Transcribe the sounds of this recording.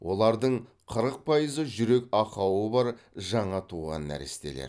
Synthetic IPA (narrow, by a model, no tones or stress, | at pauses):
wʔo̞lˠɑɾd̪əɴ | qʰəɾəq̚pʰɑjəzəʒʏɾe̞kʲɑqɑwəbɑɾʒɑɴɑt̪ʰuʁɑ̰nːæ̰ɾɪ̰st̪e̞̰leɾ